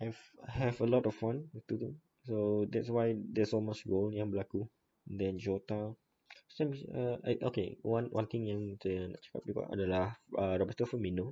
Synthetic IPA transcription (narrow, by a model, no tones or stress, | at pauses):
ajvaɦɛvəlɔtɔfːãnwit̪ut̪u | sodɛtswajdɛsɔlmostɡoljãŋbəlaku | ɛndɛ̃nd͡ʒɔt̪a | stãməa̰ʔo̰kḛwãnwʔã̰nt̪ĩŋjãŋtəəna̰ʔt͡ʃə̥ka̰p̚bikɔ̰sa̰dəlahəɹɔbət̪əfəmino